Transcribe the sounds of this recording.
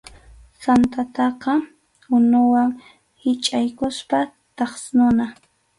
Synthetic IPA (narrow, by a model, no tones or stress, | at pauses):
sant̪at̪ɑqɑ | ʊnʊwaŋ | hɪt͡ʃʼajkʊspa | t̪ɑχsnʊna